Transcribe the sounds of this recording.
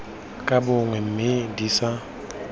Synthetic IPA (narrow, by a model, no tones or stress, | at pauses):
kʼabʊŋwɛm̩mɪdisa